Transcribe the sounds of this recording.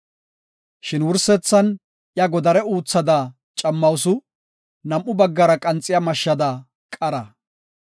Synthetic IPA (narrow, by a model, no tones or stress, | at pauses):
ʃɪnwʊɾsɛt͡sːɐn | jɐɡɔd̪ɐɾɛuːt͡sːɐd̪ɐ | t͡ʃʼɐmːɐwsʊ | nɐmʔːʊbɐɡːɐɾɐkʼɐnt͡sʼːɪjɐmɐʃːɐd̪ɐ | kʼɐɾɐ